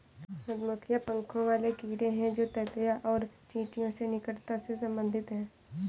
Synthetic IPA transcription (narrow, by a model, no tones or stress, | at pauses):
pəd̪mʊkʰɪjapə̃ŋkʰõʋaːlekiːɽẽɦɛ̃d͡ʒoːt̪ɛːt̪jaʔɔːɾt͡ʃĩːʈijõsenɪkəɽt̪asesɐ̃mbə̃nd̪ʱɪt̪ɦɛ̃ː